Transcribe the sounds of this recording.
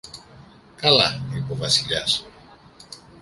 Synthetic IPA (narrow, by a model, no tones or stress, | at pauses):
kala̰nɾipoβasiʎa̰s